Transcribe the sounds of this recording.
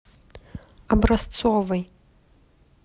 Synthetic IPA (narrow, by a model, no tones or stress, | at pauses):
abrast͡sʰovaj